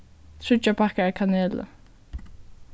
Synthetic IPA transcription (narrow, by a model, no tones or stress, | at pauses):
t̪ʰɹ̥ʏt͡ʃːapʰakaakʰaneːlə̰